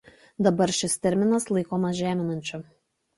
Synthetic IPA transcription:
d̪ɐbɐɾʃʲɪst̪ʲɛɾʲmʲɪnɐslˠɐɪkoːmɐsʒʲæːmʲɪnɐnʲt͡ʃʲʊ

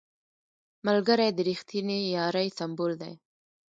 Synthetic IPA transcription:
malɡəɾajd̪əɾixt̪inijɑɾajsambold̪aj

